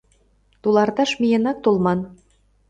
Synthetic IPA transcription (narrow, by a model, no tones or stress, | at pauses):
t̪ulɑrt̪ɑʃmijĕnɑk̚t̪olˠmɑn